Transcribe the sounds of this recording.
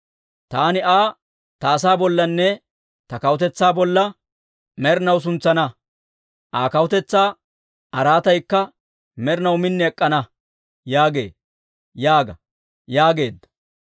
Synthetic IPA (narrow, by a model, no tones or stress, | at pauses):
t̪aːnɪʔaː | t̪ɐːsaːbɔlːɐnːɛ | t̪ɐkɐwʊt̪ɛt͡sːaːbɔlːɐ | mɛɾɪnɐws̬ʊnt͡sːɐnɐ | ʔaːkɐwʊt̪ɛt͡sːaː | tɐɾaːt̪ɐjkːɐ | mɛɾɪnɐwmɪnːɛɛkʼːɐnɐ | jaːɡe̞̰ː | jaːɡɐ | jaːɡe̞ːd̪ːɐ̥